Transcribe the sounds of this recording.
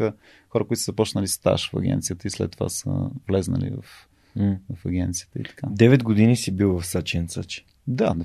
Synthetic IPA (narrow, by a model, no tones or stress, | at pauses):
ə | xɔɾəkoit̪ʊszɐpɔt͡ʃnəlist̪a̰ʃfɐ̰ɡʲɛ̰nt̪sijət̪əislɛt̪ːova̰sə̰vlɛznə̰lḭvɐ̰f | vɐfɐɡʲɛnt̪sijə̥t̪əḭt̪ɐ̥kad̪ɛvɛd̪ɡod̪inisibilˠvɐfsat͡ʃɛnsat͡ʃɛ̥ | d̪an